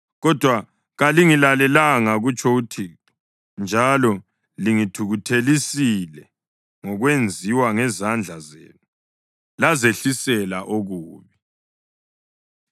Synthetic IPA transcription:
ɣɔd̥ʱwa | ɣaliŋilalɛlaŋaɣut͡ʃʰʼoutʰitu̥ | nd͡ʒʱalɔ | liŋid̥ʰʱuɣutʰelisilɛ | ŋɔɣwend͡zʱiwaŋɛzand͡ɮʱazḛːnu | lazeɬisɛla̰ʔoɣuːβi

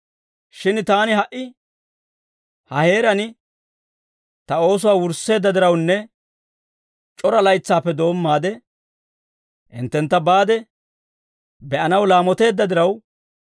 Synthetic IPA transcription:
ʃɪnt̪aːnɪɦɐʔɪ | hɐhe̞ːɾɐnɪ | t̪ɐo̞ːs̬ʊwaːwʊɾsːe̞ːd̪ːɐd̪ɪɾɐwnːɛ | t͡ʃʼɔɾɐlɐjt͡sːaːpːɛd̪o̞ːmːaːd̪ɛ | ʔɪ̰nt̪ːɛnt̪ːɐbaːd̪ɛ | bɛʔɐnɐwlaːmɔt̪e̞ːd̪ːɐd̪ɪɾɐw

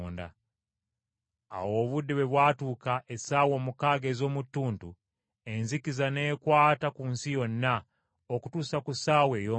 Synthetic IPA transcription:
nda̰ | a̰wo̞ːβudːeβweβwaːtuːkaʔesaːwo̞ːmukaːɡe̞zo̞ːmutːuːntu | enzikizaneːkwaːtakuːnsijo̞nːa | okutusakusawejo

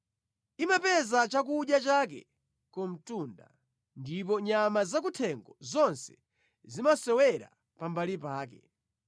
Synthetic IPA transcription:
imapɛzat͡ʃak̬uɗjat͡ʃak̬ɛ̰ | kɔm̩tunda̰ | ndipɔɲamazak̬utʰɛŋɡɔzɔnsɛ̥ | zimasɛwɛɾa̰ | pambalipaːkɛ̰

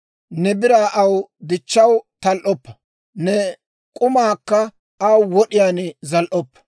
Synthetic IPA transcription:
nɛbɪɾaːʔɐwd̪ɪt͡ʃːɐwt̪ɐlʔɔpːɐ̥ | nɛ | kʼʊmaːkːɐ | ʔɐwwɔɗɪjaːnzɐlʔɔpːɐ̥

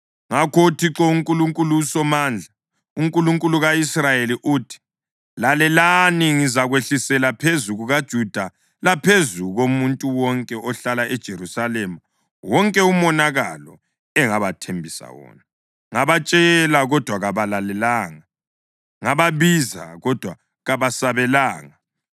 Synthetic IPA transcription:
ŋakʰoutʰiǁɔuŋkʼuluŋkʼulusɔmand͡ɮʱa | uŋkʼuluŋkʼuluɣaisrajeliʔuːtʰi̥ | lalɛlaniŋizaɣweɬisɛlapʰezuɣuɣad̥ʒ̥ʱud̥ʱa | lapʰezuɣomuntʼuwɔŋkʼɛɔɬalaɛd̥ʒ̥ʱeɾusalema | wɔŋkʼɛumɔnaɣalɔ̰ | ɛŋaβatʰembʱisa̰wɔ̰ːna | ŋaβat͡ʃʼɛlaɣɔd̥ʱwaɣaβalalɛlaːŋa | ŋaβaβiza̰ɣɔd̥ʱwa | ɣaβasaβɛlaːŋa

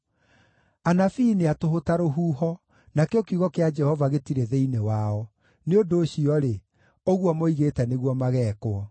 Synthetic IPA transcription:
anafiːneatoɦotaɾoɦuːɦɔ | nakeokeuɣɔkead͡ʒɛhɔvaɣetiɾeðeinewaɔ | neondoːɕiɔɾe | oɣwɔmoiɣetɛneɣwɔmaɣɛːkoɔ

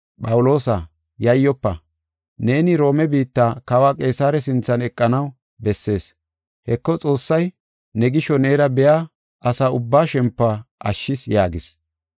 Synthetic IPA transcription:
pʼɐwʊlo̞ːsɐ | jɐjːɔpːɐ̰ | ne̞ːnɪɾo̞ːmɛbiːt̪ːaːkɐwaːkʼe̞ːsaːɾɛs̬ɪnt͡sːɐnɛkʼːɐnɐw | bɛsːe̞ːs | hɛkːɔt͡sʼo̞ːsːɐj | nɛɡɪʃɔne̞ːɾɐbɛjaː | ɐsaːʊbːaːʃɛmpːaʔɐ̰ʃːɪsjaːɡɪs

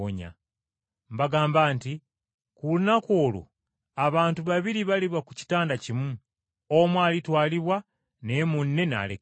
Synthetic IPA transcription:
o̰ɲa̰ | mbaɡaːmbaːnti | kulunako̞ːlo̰ | aβaːntuβaβiɾiβaliβakuci̥taːndacimu | omwaːlitwaːliβwa | ne̞ːmunːe̞na̰le

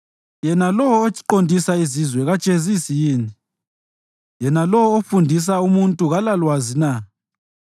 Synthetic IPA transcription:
jɛnalɔwɔːt͡ʃʼiǃondʱisaizizwɛɣad̥t͡ʃʼezisijiːni | jɛnalɔwɔːfundʱis̬aumuntʼuɣalalwazina

